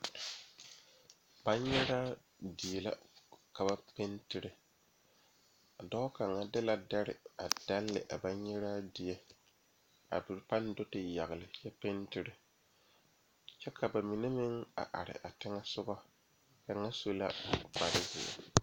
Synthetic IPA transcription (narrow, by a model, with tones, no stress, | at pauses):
ba˦ɲɛ˦ɾaː˦ | di˨ɛ˨la̰˦ka˨ba˦pe˦ntɪ˦ɾɪ˨ | dɔ˦ka˨ŋa˦dɪ˦la˨da˦ɾɪ̰˨a˨d̥a˦lːɪ̰˨ʔa˨ba˦ɲɛ˦ɾaː˦dɪ˨jɛ˨ | a̰˨bɪ˨ɾpa˦n˦do˦tɪ˨ja˨ɣɪ˨lɪ˨jɛ˦pe˦ntɪ˦ɾɪ˦ | t͡ʃɛ˦kʰa˨ba˨mɪ˨nɪ˦mɪ˦ŋa̰˨ʔa̰˨ɾɪ̰˨ʔa˨tɪ˦ŋa˦sʊ˦ɡɔ˦ | ka˨ŋa˦so˦la˦k͡pa˨ɾɪ˦zɪ̰˨ɛ̰˨